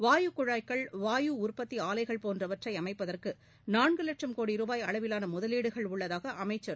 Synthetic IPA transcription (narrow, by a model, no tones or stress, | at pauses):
ʋaːjukʊɻaːjkːɐɭʋaːjuʊrpɐt̪ːiaːlɐɪɣɐɭpoːndrɐʋɐʈrɐɪɐmɐɪpːɐðɐrkɯ | naːnɡɯlɐʈrɐmkoːɽiɾuːbaːjɐɭɐʋɪlaːnɐmʊðɐliːɽɯɣɐɭʊɭːɐðaːɣɐʔɐmɐɪt͡ʃːɐɾ